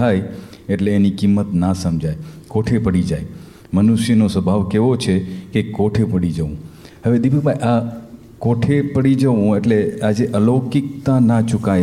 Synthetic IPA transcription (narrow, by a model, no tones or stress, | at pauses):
ajeʈleːnikimːət̪nasəmd͡ʒajkoʈʰepəɽid͡ʒaj | mənuʃjənosəbʱaʋkeʋot͡ʃʰekekoʈʰepəɽid͡ʒəʋũ | həʋed̪ipəɡ̚bʱajʔa | koʈʰepəɽid͡ʒəʋũeʈlead͡ʒeʔəlokɪk̚t̪ãnat͡ʃʊkaj